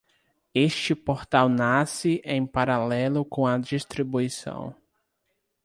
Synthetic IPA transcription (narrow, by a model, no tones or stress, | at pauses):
eʃt͡ʃɪpoɾt̪awnasɪʔẽj̃paɾalɛlʊkõɐd͡ʒist̪ɾibuisɐ̰̃w̃